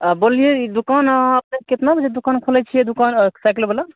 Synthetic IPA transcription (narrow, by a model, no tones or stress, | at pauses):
bolijeid̪ukanəpneket̪nabʱəd͡ʒed̪ukankʰolɛt͡ʃʰijed̪ukansajklbəla